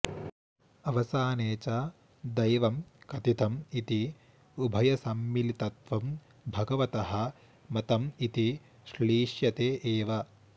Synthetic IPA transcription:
ɐʋɐsaːneːt͡ʃɐ | d̪ɐjʋɐmkɐt̪it̪ʰɐmit̪i | ubʱɐjɐsɐmːilit̪ɐt̪ʋɐm | bʱɐɡɐʋɐt̪ɐɦɐ̆ | mɐt̪ɐmit̪i | ʃliːʃjɐt̪eːʔeːʋɐ

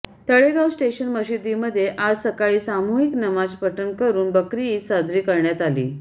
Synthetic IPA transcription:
t̪əɭeɡawsʈeɕənməɕid̪iməd̪ʱːjeʔad͡zsəkaɭiːsamuɦiknəmad͡zpəʈənkəɾuːnbəkɾiiːtsad͡zɾiːkəɾɳjat̪alḭː

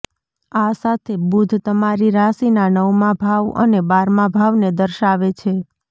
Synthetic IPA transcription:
asat̪ʰebud̪ʱt̪əmaɾiɾasinanəʋmãbʱaʋə̰nebaɾmãbʱaʋned̪əɾʃaʋet͡ʃʰe

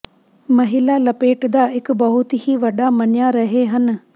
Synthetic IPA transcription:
mɐɦɪlalɐpeːʈd̪aːɪkbɐɦʊt̪hiʋɐɖamɐnjaɾɐɦeɦən

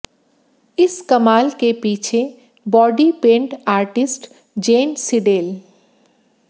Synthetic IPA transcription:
ɪskɐmaːlkepiːt͡ʃʰe | bɔːɖipẽːɳʈaːɾʈɪsʈ | d͡ʒeːnsɪɖeːl

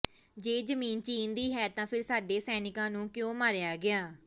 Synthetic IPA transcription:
d͡ʒeːd͡ʒəmiːnt͡ʃiːnd̪iːɦɛːt̪ãːpʰɪɾsaːɖeːsɛːnɪkãːnũːkjõːmaːɾɪjaːɡɪaː

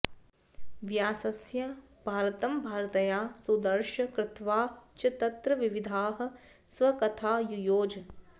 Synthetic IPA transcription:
ʋjaːsɐsja | bʱaːɾɐt̪ɐmbʱaːɾɐt̪ɐjaːsud̪ɐɾʃɐkɾɪt̪ʋaːt͡ʃɐt̪ɐt̪ɾɐʋiʋid̪ʱaːɦɐ̆ | swɐkɐt̪ʰaːjujoːd͡ʒ

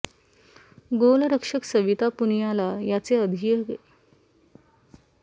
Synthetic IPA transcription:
ɡoləɾəkʂəksəʋit̪apunjalajat͡seəd̪ʱijəɡḛ

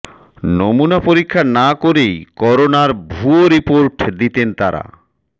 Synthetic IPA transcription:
nomunapoɾikʰːanakoɾejkɔɾonaɾbʱuoɾipoɾʈd̪it̪ent̪aɾa̰

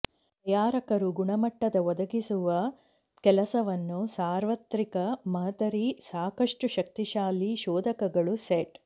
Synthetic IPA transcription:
ɐjaːɾɐkɐɾuɡuɳɐmɐʈːɐd̪ɐʋɔd̪ɐɡisuʋɐ | kɛlɐsɐʋɐnːusaːɾʋɐt̪ɾikɐmɐɦɐt̪ɐɾisaːkɐʂʈuʃɐk̚t̪iʃaːliʃɔːd̪ʱɐkɐɡɐɭuseʈ

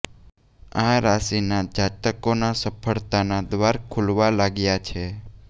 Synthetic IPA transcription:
ãɾasinad͡ʒat̪əkonasəpʰəɭt̪anad̪ʋaɾkʰulʋalaɡjat͡ʃʰe

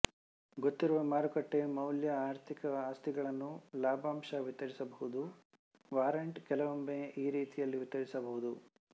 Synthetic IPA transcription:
ɡot̪ːiɾuʋɐmaːɾukɐʈːe̞mɐwljɐaːɾt̪ʰikɐaːst̪iɡɐɭɐnːulaːbʱaːmʃɐʋit̪ːɐɾisɐbɐɦud̪u | ʋaːɾɐɳʈkɛlɐʋombeiːɾiːt̪ijɐlːiʋit̪ːɐɾisɐbɐɦud̪u

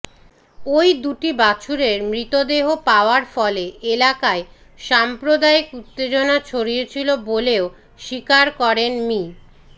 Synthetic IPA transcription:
ojd̪uʈibat͡ɕʰuɾeɾmɾit̪od̪eɦopaoaɾfɔleelakae | ʃampɾod̪aekut̪ːed͡ʑonat͡ɕʰoɾijet͡ɕʰiloboleo | ʃikaɾkɔɾenmi

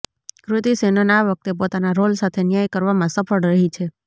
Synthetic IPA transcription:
kɾʊt̪isenənaʋək̚t̪epot̪anaɾolsat̪ʰenjajkəɾʋamãsəfəɽɾəɦit͡ʃʰe

